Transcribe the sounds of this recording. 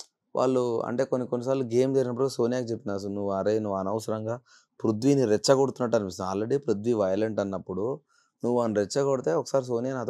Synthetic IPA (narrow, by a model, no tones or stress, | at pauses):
ʋʔa̰ːɭːuɐ̰ɳʈe̞ːkonːikonːis̬aːɾluɡe̞ːmd͡ʒeɾinɐp̬ːuɽso̞ːnijaːkit͡ʃepːinaːs̬unuʋːuɐɾenuʋːuɐnɐʋɐsɐɾɐŋɡaː | pɾud̪ʋiniɾɛt͡ʃːɐɡoɽut̪unːɐʈːɐnipist̪aːlɾeɽipɾud̪ʋiʋɐjɐleɳʈɐnːɐpːuɽu | nuʋːuɐnɾɛt͡ʃːɐɡoɽit̪e̞ːɔkːɐ̥saːɾis̬o̞ːnijaːnaːt̪